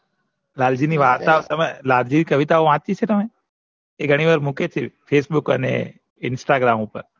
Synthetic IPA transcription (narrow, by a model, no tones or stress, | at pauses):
laːld͡ʒiniʋaːt̪at̪ɐmẽlaːld͡ʒinikɐʋɪt̪aoʋãːt̪t͡ʃit͡ʃʰet̪əmẽ | eɡʱəɽ̃iʋaːɾmʊket͡ʃʰepʰeːsbʊkənḛ | ɪnsʈaɡɾaːmupəɾ